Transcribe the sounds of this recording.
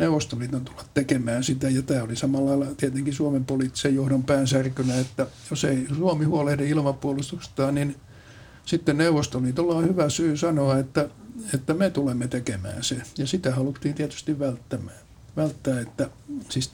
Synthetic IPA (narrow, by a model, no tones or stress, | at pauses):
neuʋˑost̪olːiːt̪ont̪u̥lːɑt̪tekemæːnsit̪æjɑt̪æːolisɑmɑlːɑilːɑt̪iæt̪eŋkisuɑmempoliːˑt̪ːi̥sejohdompæːnsærkynæet̪ːæjoseisuɑmihuolehdeilmɑpuolust̪ust̪ɑːnnin | sit̪ːenneuʋˑost̪olit̪olːɑihyʋæsyːsɑnoɑet̪ːæet̪ːæmet̪ulemːet̪ekemæ̰ːnsejɑsit̪æhɑlut̪ːiːnt̪iet̪y̥st̪iʋʋælt̪ːæmæː | ʋælt̪ːæːet̪ːæsis